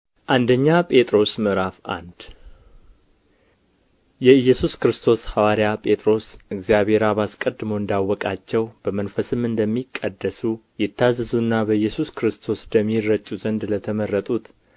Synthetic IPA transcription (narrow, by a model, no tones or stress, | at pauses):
ʔand̪əɲːapʼe̞t̪ʼɾo̞smɨɾafa̰nd̪̥ | jɛɨjːɛsuskɾɨst̪ʰo̞shawaɾjapʼe̞t̪ʼɾo̞sɨɡzijaβe̞ɾamaskʼəd̪ːɨmoɨnd̪awːɔkʼat͡ʃːɛwb̥əmənfəsɨmɨnd̪əmːikʼːəd̪ːəsujɪt̪ʰːazːɨzunːabəjːɛsuskɾɨst̪ʰo̞sd̪əmːirət͡ʃʼːuzənd̪lət̪ʰəməɾːət̪ʼut̪